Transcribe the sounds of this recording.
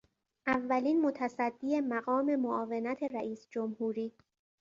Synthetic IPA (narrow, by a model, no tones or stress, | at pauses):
ʔævːæliːnmo̞t̪ʰæsæd̪ːiːe̞mæɣɒːme̞moʔɒːvenæt̪ʰe̞ɾæʔiːsd͡ʒomhuːɾiː